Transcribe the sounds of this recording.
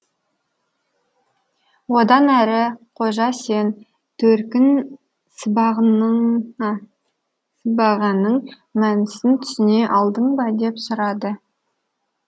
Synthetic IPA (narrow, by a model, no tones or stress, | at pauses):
wo̞d̪ɑnæɾɪqʰo̞ʒɑse̞n | t̪ʰɵɾkʲɪn | səbɑʁn | səbɑʁɑnːəɴ | mænɪsɪnt̪ʰʏ̥sɪne̞ʔɑlˠd̪əɴbɑd̪e̞psʊɾɑd̪ə